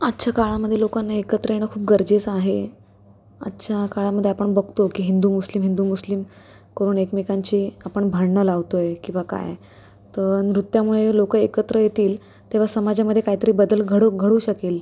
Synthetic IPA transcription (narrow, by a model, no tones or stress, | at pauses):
ətːɕʰakaɭaməd̪ʱːjelokanːaekət̪ɾəeɳ̃əkʰuːp̚ɡəɾd͡ʑet͡saɦe | ə̰tːɕʰakaɭaməd̪ʱjeapəɳbəɡʱt̪okiːɦind̪uːmuslimɦind̪uːmuslim | kəɾuːɳekmekaɲt͡ɕiːapəɳbʱəɽɳəlaʋt̪ojekĩʋaka̰j | t̪ənɾut̪ːjamuɭelokəekət̪ɾəjet̪iːl | t̪eʋ̤asəmad͡ʑaməd̪ʱjekaɦit̪əɾiːbəd̪əlɡʱəɽoɡʱəɽuːɕəkel